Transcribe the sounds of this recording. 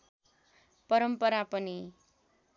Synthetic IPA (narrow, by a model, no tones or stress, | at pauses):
pʌɾʌmpʌɾapʌni